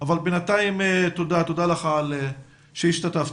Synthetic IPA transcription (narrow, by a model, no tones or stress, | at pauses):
avalbenat̪aimet̪od̪at̪odalaχale | ʃeiʃt̪at̪af